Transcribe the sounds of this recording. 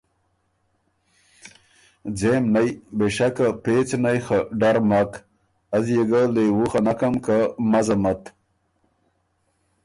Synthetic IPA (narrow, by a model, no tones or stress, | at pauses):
d͡zemnajbeʃakapet͡snajxaɖaɾmak | azjeɡalewuxanakamkamazamat̪